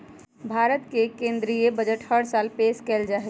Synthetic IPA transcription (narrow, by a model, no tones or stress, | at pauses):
bʱaɾət̪kekẽnd̪ɾijebəd͡ʒəʈhəɽsalpeskɛld͡ʒaɦɛ